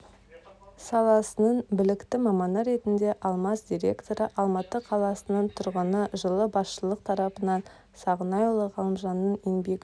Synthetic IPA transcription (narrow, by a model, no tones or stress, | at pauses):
sɑlˠɑsənəɴbɪlɪkt̪ɪmɑmɑnɑɾe̞t̪ɪnd̪e̞ʔɑlˠmɑsd̪ʲiɾʲe̞̰kt̪o̞ɾəʔɑlˠmɑt̪əqʰɑlˠɑsənəɴt̪ʰʊɾʁənəʒəlˠəbɑsʃəlˠəq̚t̪ʰɑɾɑpənɑn | sɑʁənɑjlˠəʁʰɑlˠəmʒɑnːənenbekʲ